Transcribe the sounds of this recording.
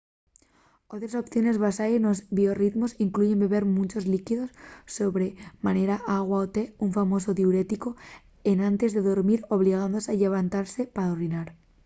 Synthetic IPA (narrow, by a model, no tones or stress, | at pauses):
ot̪ɾaso̞pθjone̞zβasaenozβio̞rit̪mosiŋkluʝe̞mbe̞βe̞ɾmũnt͡ʃo̞zlikiðo̞sːo̞βɾe̞maneɾaʔaɣ̞waot̪e̞uɱfamo̞s̬o̞ðjuɾe̞t̪iko̞ | enãnt̪e̞zðe̞ðo̞ɾmiɾo̞β̞liɣ̞and̪osaʎe̞β̞ant̪aɾse̞paɾaorinaɾ